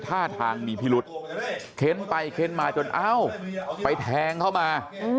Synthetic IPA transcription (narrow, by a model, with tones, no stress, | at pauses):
t̪ʰaː˥˩t̪ʰaː˧ŋmiː˧pʰiː˦˧lu˦˥t̪̚kʰe˦˥npa˧jkʰe˦˥nmaː˧t͡ɕo˧nʔa˦˥˩wpa˧jt̪ʰɛː˧ŋkʰa˥˩wmaː˧˦